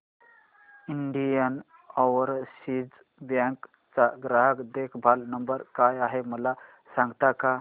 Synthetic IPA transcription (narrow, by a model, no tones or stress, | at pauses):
iɳɖijən | ɔʋəɾsid͡z | bjãŋk | t͡saɡɾaɦəkd̪ekʰbʱalnəmbəɾkajaɦeməla | sãŋɡt̪aka